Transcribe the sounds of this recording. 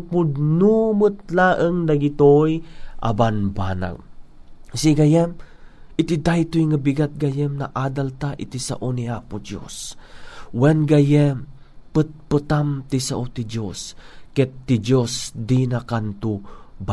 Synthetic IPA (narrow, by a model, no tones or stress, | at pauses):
pʊd̪numɨt̪̚laːʔəŋnɐɡit̪ojʔa̰banbana̰ŋ | siɡajɛm | ɪt̪id̪ajt̪ojŋabiɡat̪̚ɡajɛmnaʔad̪alt̪aʔḭt̪isa̰ʔoniapʊd̪jo̰s | wɛnɡajɛm | pɨt̪̚pɨt̪amt̪isaʔot̪id͡ʒoskɛt̪ːid͡ʒosd̪inakant̪uba